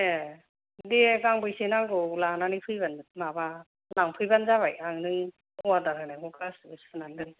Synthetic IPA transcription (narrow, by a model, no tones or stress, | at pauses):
e | diekaŋbɯjsenaŋɡɯwlananipʰɯjbanɯmaba | laŋpʰɯjbanzaβajaŋnɯŋ | ɔadaɾɯnamukʰasbɯsɯnandɯŋ